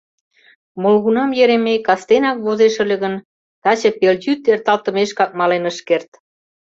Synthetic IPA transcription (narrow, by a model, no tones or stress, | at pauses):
molɣunɑmjeɾemekɑst̪enɑk̚βozeʃə̆lʲə̆ɣən | t̪ɑt͡ɕə̆pelʲdyt̪ert̪ɑlt̪ə̆meʃkɑk̚mɑlenəʃkert̪